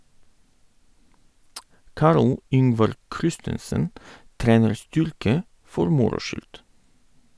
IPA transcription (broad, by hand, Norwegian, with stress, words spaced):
ˈkɑɾl ˈʏŋʋɑɾ ˈkɾɪstənsən ˈtɾeːnəɾ ˈstʏɾkə ˈfɔɾ ˈmʊɾʊ ˈʃʏlt